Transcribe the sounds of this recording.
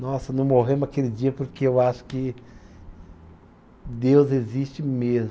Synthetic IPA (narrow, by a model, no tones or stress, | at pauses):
nɔsɐnɐ̃w̃moɦemʊakelɪd͡ʒiɐpoɾkeewaʃʊ̥kɪ | d̪ewzezist͡ʃɪmez